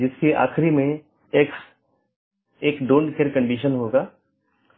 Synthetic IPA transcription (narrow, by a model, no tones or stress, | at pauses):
d͡ʒɪskiʔa̰ːxɾimẽː | k | eːkɖõːɳɖkeːɾkə̃ɳɖiːʃənɦoːɡaː